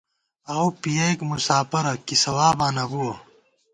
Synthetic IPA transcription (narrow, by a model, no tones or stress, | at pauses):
ɐopijɐekmusaːpɐɾɐkisɐwaːbaːnɐbuɐ